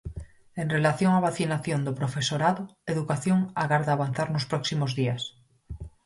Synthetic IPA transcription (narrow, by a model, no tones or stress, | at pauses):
enrelaθjoŋaβaθinaθjond̪opɾofesoɾaðoeðukaθjoŋaɣaɾðaːβ̞an̟θaɾnospɾɔksimozðias